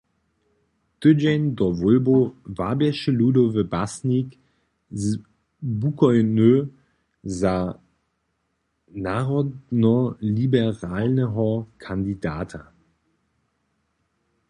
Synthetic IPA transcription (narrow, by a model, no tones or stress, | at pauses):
d̥ød͡ʒɛndɔvʊlbovabjɛʃəludovəbasnik | bukɔʏnø | za | naʁɔdnɔlibɛʁaːlnəɦɔkʰandidaːtʰɐ